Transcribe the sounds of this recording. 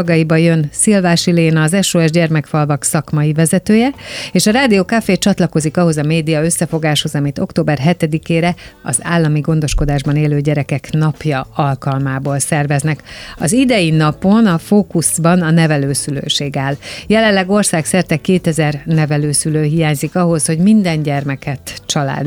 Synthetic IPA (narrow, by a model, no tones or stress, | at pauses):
ɡɒjibɒjø̞nsilvaːʃileːnɒːzɛʃoːɛʒɟɛrmɛkfɒlvɒksɒkmɒjivɛzɛt̪øːjɛeːʃɒɾaːd̪ijoːkafeːt͡ʃɒt̪lɒko̞zikɒɦo̞zɒmeːd̪ijɒø̞sːɛfo̞ɡaːʃho̞zɒmit̪o̞kt̪oːbɛrɦɛt̪ɛd̪ikeːɾɛɒ̰zaːlːɒmiɡo̞n̪d̪o̞ʃko̞d̪aːʒbɒneːløːɟɛɾɛkɛknɒpjɒɒlkɒlmaːboːlsɛrvɛznɛkɒzid̪ɛjinɒpo̞nɒfoːkusbɒnɒnɛvɛløːsylø̰ːʃeːɡaːljɛlɛnlːɛɡo̞rsaːksɛrt̪ɛkeːt̪ɛzɛrnɛvɛløːsyløːɦijaːɲzikɒɦo̞sho̞ɟmind̪ɛɲɟɛrmɛkʰɛt̪t͡ʃɒla̰ːd̪